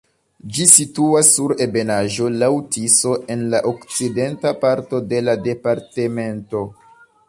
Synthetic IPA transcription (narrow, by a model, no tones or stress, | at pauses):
d͡ʒisituasːuɾe̞be̞naʒo̞lawtiso̞ʔe̞nlaʔokt͡side̞ntapaɾto̞de̞lade̞paɾte̞me̞nto̞